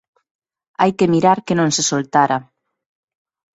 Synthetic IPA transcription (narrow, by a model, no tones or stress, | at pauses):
ajkemiɾaɾkenõŋsesolt̪aɾa